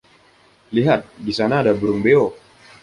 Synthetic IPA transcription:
liɦat̪̚disanaːdabɾumbeo

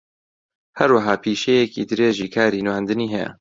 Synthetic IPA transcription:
hɐɾwaɦaːpʰiːʃejekḭːd̪ɨɾeːʒiːkʰaːɾiːnwaːnd̪ɨniːɦɛjɐ̰

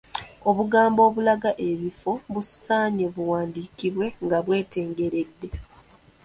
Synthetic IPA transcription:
o̞βuɡaːmbo̞ːβulaɡaʔe̞βifoβussaːɲeβuwaːndiːkiβwe̞ŋɡaβwe̞ːte̞ːŋɡe̞ɾe̞dːe̞

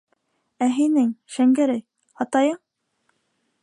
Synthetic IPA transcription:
æɦinɘŋʃæŋɡæɾæj | ɑt̪ɑjɤɴ

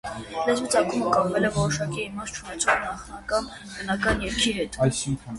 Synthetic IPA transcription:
lɛzmit͡sɑkuməkɑpvɛlɛvɔɾɔʃɑkiːmɑst̪̚t͡ʃʰunɛt͡sʰɔʁnɑχnɑkɑn | bənɑkɑnjɛɾkʰiɦɛt̪jʰ

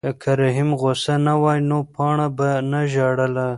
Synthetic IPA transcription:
kʰaɾaɦimɣosanawɑjnopɑɳabanaʒɑɽəla

